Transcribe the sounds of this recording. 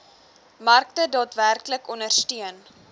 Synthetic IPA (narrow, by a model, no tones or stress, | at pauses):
mɐrktədɑːtværkləkɔnərstyən